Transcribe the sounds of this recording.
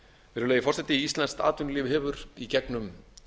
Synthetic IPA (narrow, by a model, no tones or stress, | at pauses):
vɛːɾʏleːjɪfɔr̥sɛt̪ɪiist̪lɛnst̪a̰ːt̪ʏnlɪːvɪɦɛːvʏɾicɛknʏm